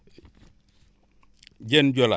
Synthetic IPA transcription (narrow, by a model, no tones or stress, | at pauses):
d͡ʒend͡ʒola̰